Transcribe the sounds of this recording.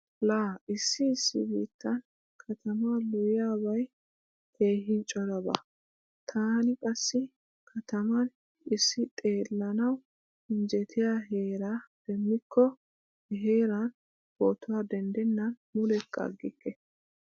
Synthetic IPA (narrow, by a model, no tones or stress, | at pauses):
laːʔɪsːɪːsːɪ̰biːt̪ːɐn | kʰɐt̪ʰɐmalʊjɪjaːbɐj | he̞ːɦɪnt͡ʃʼɔɾɐbɐ̰ | t̪ʰaːnɪkʼɐsːɪ | kʰɐt̪ɐmɐn | ɪsːɪt̪ʼe̞ːlːɐnɐw | ɪnd͡ʒɛt̪ʰɪjaːɦe̞ːɾaːd̪̥ɛmːɪkʰːɔ | ɦe̞ːɾɐn | bot̪ʊwad̪ɛnd̪ɛnːɐn | mʊlɛkːɐ̰ɡːɪkːɛ